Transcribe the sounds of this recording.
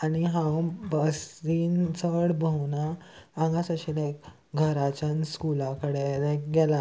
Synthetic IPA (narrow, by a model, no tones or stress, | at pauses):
aniɦãbəsiːnt͡səɽbʱəwnãː | ŋɡasəɕilek | ɡʱəɾat͡ɕanskulakəɽedeɡɛla